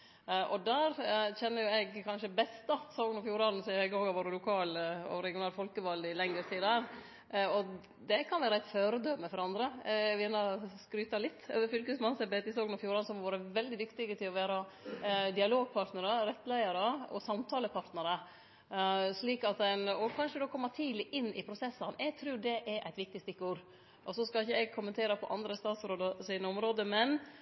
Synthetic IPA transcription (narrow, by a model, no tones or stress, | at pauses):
ʔɔd̪æːɾçɛnːəɾjʊɛɡkʰɑnʃəbɛst̪ɑsɑːɡənɔfjuːɾɑnn̩sɔɪɡoːɡɑʋoːɾəlʊkʰɑːlɔ̰ɾɛɡɪʊnɑːlfɔlkəʋɑld̪ɪlɛŋəɾt̪iːd̪əhæːɾ | ɔ | d̪ɛkʰɑnʋæːɾɑɪt̪føːɾəd̪œməfɔɾɑnd̪ɾəʋɪɛnːɑskɾyːt̪ɑlɪt̪ːø̰ːʋəfʏlkəsmɑnsɛbeːt̪ɪsɑːɡnɔfjuːɾɑnsɔmhɑɾʋoːɾəʋɛld̪ɪd̪ʏkt̪ɪɡət̪ʰɪlɔʋæːɾɑ | d̪ɪɑloːɡ̚pʰɑɾʈnəɾəɾɛt̪ːlæɪɑɾəɔ̰sɑmt̪ʰɑːləpʰɑɾʈ̪nəɾə | ʂɭiːkɑt̪ænɔkʰɑnʂəd̪oːkʰɔmːət̪ʰiːd̪lɪʔɪnːɪpʰɾʊsɛsːɑnɛɡ̚t̪ʰɾʉːɖɛʔɛɾʔæ̰ɪt̪ʋɪk̚t̪ɪst̪ɪkːuːɾ | ʔɔsɔskɑlɪçəɛɡ̚kʰʊmːənt̪ʰeːɾɑpʰɔ̰ʔɑnd̪ɾəst̪ɑːt̪sɾoːd̪əsɪnəɔmɾoːd̪əmɛn